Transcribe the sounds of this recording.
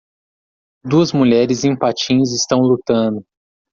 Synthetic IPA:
d̪uɐzmuʎɛɾɪzẽj̃pat͡ʃĩzɪst̪ɐ̃w̃lut̪ɐ̃nd̪ʊ

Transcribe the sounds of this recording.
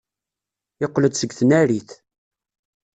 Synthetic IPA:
ɪqːləd̪səɡθənæɾiθ

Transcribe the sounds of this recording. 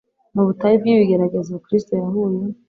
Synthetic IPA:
muβutajibjiβiɡe̞ɾaɡe̞ziβukɾistojaɦuju

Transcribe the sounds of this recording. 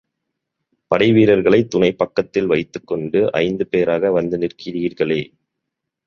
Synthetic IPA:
pɐɽɐɪʋiːɾɐɾɣɐɭɐɪt̪ːʊnɐɪpːɐkːɐt̪ːɪlʋɐɪt̪ːɯkːɔɳɖɯʔɐ̰ɪnd̪ɯpeːɾaːɣɐʋɐnd̪ɯnɪrkɪɾɪɣɪɾɣɐɭeː

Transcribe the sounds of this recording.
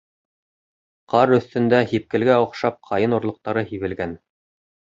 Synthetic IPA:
qɑɾɵ̆θt̪ɘ̆nd̪æhip̚kɘ̆lɡæŏqʃɑp̚qʰɑjɤnŏɾlˠŏq̚t̪ɑɾɤhiβɘ̆lɡæn

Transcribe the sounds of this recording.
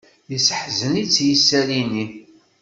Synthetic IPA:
jəsəħzənit͡sːjəsːælini

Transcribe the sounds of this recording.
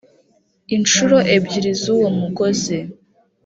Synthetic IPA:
int͡ʃuɾo̞ʔe̞bɟiɾizuwomuɡo̞ze̞

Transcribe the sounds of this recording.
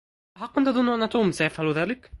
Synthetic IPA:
haːqːʊnt̪ʔɑðˤʊnːʔanːat̪uːmsajafhaluðaːlɪk

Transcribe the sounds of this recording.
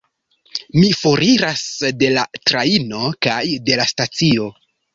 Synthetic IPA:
mifoɾiɾasde̞latɾaino̞kajde̞lastat͡sio̞

